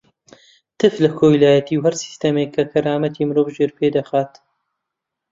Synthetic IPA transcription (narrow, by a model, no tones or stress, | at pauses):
t̪ʰɨflɐkʰoːjlaːjɐt̪iːwhɐɾsi̥st̪ɐmekʰːɐkʰɐɾaːmɐt̪ʰiːmɨɾoːvʒeɾpʰeːd̪ɐxaːt̪